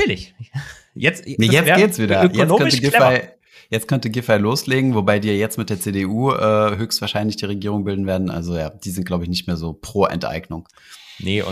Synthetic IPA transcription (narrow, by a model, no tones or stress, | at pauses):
lɪç | jɛt͡snːjɛt͡sɡeːtsv̥iːdɐøkjɛt͡snoːkœtəɡaɪ | jɛt͡stkʰœntəɡɪfaɪloːsleːɡŋ̩vobaɪdiːjajɛt͡stmɪt̚d̥eːɐt͡seːdeʔuːʔɛːɦøːçstv̥aːɐʃaɪnlɪçd̥iːʁ̞eɡiːʁ̞ʊŋbɪldn̩veːɐdn̩ʔa̰lzojaːd̥iːzɪnt̚ɡ̥laʊbəɪçnɪç̬tmeːɐzoːpʁ̥oːʔɛ̰ntʔa̰ɪɡnʊŋ | nəʊ̰